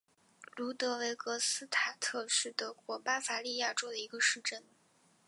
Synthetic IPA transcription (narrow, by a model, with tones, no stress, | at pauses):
lu˧˥t̪ɤ˧˥we˧˥ɪkɤ˧˥sɹ̩˥t̪ʰa˨˩t̪ʰɤ˥˧ʂɻ̩˥˩t̪ɤ˧˥kwɔ˧˥pa˥fa˧˥li˥˧ja˥˩ʈ͡ʂo˥ʊd̪ə˨i˧˥ɡə˧ʂɻ̩˥˧ʈ͡ʂə˥˩n